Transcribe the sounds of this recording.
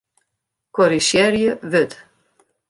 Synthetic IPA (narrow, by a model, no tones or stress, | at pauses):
kɔɾiʃjɛɾjəvəd̪